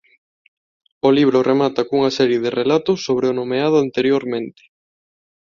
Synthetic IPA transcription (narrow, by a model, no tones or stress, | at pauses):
oliβ̞ɾoʊremat̪ɐkuŋɐsɛɾjeðɪrelat̪ʊsːoβɾeonomeað̞ʊant̪eɾjoɾmẽnt̪ɪ̥